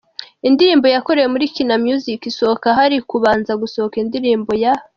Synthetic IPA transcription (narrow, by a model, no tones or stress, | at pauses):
indiɾiːmbo̞jako̞ɾe̞jemuɾikinamjuzikiso̞okaɦaɾikuβaːnzaɡusookindiɾiːmbo̞ja